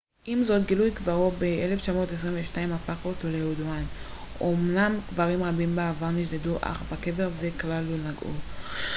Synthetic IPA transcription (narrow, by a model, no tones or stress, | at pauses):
ʔimzo̞t̪ɡilujkvaʁobeʔeleft͡ʃamo̞tes̬ʁinveʃnaimafakotolejuduan | ʔomnamɡ̥vaʁimʁabimbaavaʁniʃ̬deduʔa̰χbake̞ve̞ʁzeklalunaɡʔṵ